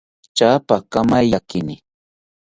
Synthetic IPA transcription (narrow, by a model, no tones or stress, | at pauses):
t͡ʃaːpakamajjakɪnɪ